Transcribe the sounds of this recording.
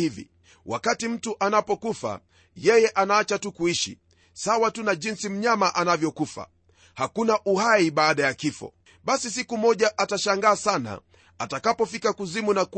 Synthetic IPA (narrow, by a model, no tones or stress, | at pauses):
ivḭ | wakatim̩tuʔanapɔkufa̰ | jɛjɛʔanaːt͡ʃatukuiʃḭ | sawatunaʄinsim̩ɲamaʔanavjɔkufa̰ | hakunaʔuhaiɓaːɗajakifɔ̰ | ɓasisikumɔʄaʔataʃaŋɡaːsana̰ | atakapɔfikakuzimunak